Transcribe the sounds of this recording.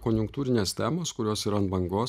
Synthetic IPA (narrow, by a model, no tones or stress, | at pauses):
konjʊŋk̚t̪uːɾʲɪnʲeːst̪ʲæːmoːskʊɾʲoːsiːɾɐnbɐŋɡoː